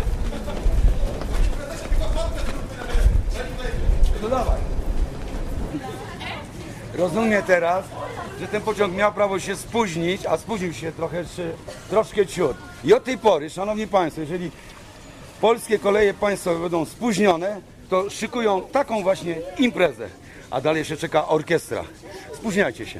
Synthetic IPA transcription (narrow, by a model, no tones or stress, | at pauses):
d̪ɔd̪avaj | ɾɔzumʲjɛt̪ɛɾasʐɛt̪ɛnpɔt͡ɕɔ̃ŋkmʲjawpɾavɔɕɛspuʑɲit͡ɕaspuʑɲiwɕɛt̪ɾɔxɛʂɛt̪ɾɔʂkɛt͡ɕut̪ | iɔt̪̚ːɛjpɔɾɘʂanɔvɲipajst̪fɔjɛʐɛlʲi | pɔlskʲɛkɔlɛjɛpaj̃st̪fɔvɛbɛnd̪ɔ̃w̃spuʑɲɔnɛ | t̪ɔʂɨkujɔ̃w̃t̪akɔ̃w̃vwaɕɲɛimpɾɛzɛ̰ | ʔa̰d̪alɛjɕɛt͡ʂɛkaʔɔɾkʲɛst̪ɾa̰ | spuʑɲajt͡ɕɛɕɛ̰